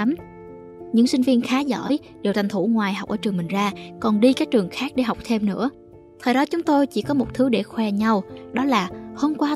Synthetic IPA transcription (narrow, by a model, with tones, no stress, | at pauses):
m | ɲɨ̰˧˥ŋsï˧ŋ̟vi˧ənxaː˨˦zɔ̰ː˧˩˨j | ɗe˨˩wt̪ʰa˨˩ŋ̟t̪ʰu˧˩ŋwaː˨˩jhɦa˨˩wk͡p̚ʔəː˧˩t͡ɕɨ˨˩əmï˨˩ŋ̟zaː˧kɔ˨˩nɗi˧kaː˦˥k̚t͡ɕɨ˨˩əŋxaː˦˥k̚ɗe˧˩ɦa˨˩wk͡p̚t̪ʰe˧mnɨ̰˧˥ə | t̪ʰəː˨˩jɗɔ˨˦t͡ɕʊ˨˦ŋ͡mt̪o˧jt͡ɕḭ˧˩kɔ˨˦mo˨˩t̚t̪ʰɨ˨˦ɗe˧˩xwɛ˧ɲa˧wɗɔ˨˦laː˨˩ho˧mkwaː˧